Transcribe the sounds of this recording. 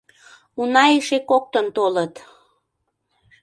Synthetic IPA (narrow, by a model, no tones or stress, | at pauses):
unɑeʃekok̚t̪ənt̪olət̪